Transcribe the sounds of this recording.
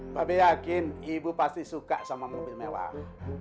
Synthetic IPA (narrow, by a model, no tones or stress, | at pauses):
babejakɪnibupast̪isukaʔsamaməubilmewa̰h